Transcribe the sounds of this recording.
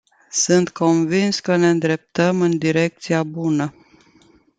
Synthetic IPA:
sɨnt̪ko̞nvinskəne̞ɨnd̪ɾe̞p̚t̪əmɨnd̪iɾe̞k̚t̪siabunə

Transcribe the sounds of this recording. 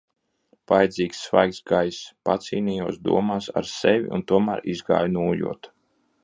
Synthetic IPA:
v̥ajd̪ziːksːva̰jksɡajspat̪siːniːjuɔsd̪ṵɔmaːsa̰ɾsɛvʲḭṵnt̪uɔmæːɾizɡa̰ːjnuːjṵɔt̪

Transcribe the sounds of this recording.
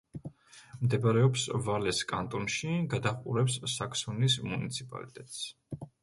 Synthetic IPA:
md̪ɛbaɾɛɔpsvalɛskʼant̪ʼɔnʃiɡad̪aχqʼuɾɛpsːakʰsunismunit̪sʰipʼa̰lit̪ʼɛt̪ʼs

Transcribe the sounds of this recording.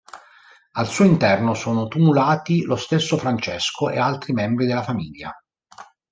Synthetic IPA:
alsuːoint̪ɛrnosoːnot̪umulaːt̪ilost̪esːofɾant͡ʃeskʰoḛalt̪ɾimɛmbɾid̪elːafamiːlːa̰

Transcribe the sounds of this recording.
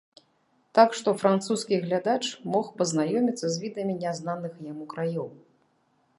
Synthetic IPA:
t̪akʂt̪ɔfɾant̪suskʲiɣlʲad̪at͡ʂmɔxpɐznajɔmʲit̪sːɐzʲvʲid̪ɐmʲinʲaznanɨxjamukɾajɔw

